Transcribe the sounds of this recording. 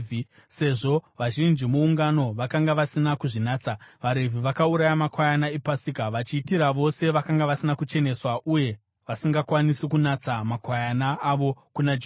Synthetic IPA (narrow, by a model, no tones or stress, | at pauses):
i | se̞ʐo̞ʋaʒind͡ʒimuuŋɡano̞ʋakaŋɡaʋasinakuʐinaːt͡saʋaɾe̞vʱiʋakauɾajamakwajanaepasikaʋat͡ʃiːtiɾaʋo̞se̞ʋakaŋɡaʋasinakut͡ʃe̞ne̞swaʔuje̞ | ʋasiŋɡakwanisikunat͡samakwajanaːʋo̞kunad͡ʒ